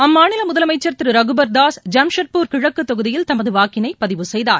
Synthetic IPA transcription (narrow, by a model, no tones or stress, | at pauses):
ɐmːaːnɪlɐmʊðɐlɐmɐɪt͡ʃːɐɾt̪ɪɾɯɾɐɣɯbɐɾd̪aːsd͡ʒɐmʂɐʈ̚puːɾkɪɻɐkːɯt̪ːɔɣɯðɪjɪlt̪ɐmɐðɯʋaːkːɪnɐɪpɐðɪʋɯsɛjðaːɾ